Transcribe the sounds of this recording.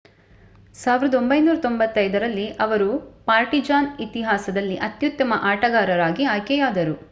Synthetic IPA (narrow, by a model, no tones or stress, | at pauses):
saːʋiɾɐd̪ɐo̞mbɐjnuːɾɐt̪o̞mbɐt̪ːɐjd̪ɐɾɐlːiʔɐʋɐɾupaːɾʈid͡ʒaːnit̪iɦaːsɐd̪ɐlːiʔɐt̪jut̪ːɐmɐʔaːʈɐɡaːɾɐɾaːɡiaːjkɛjaːd̪ɐɾu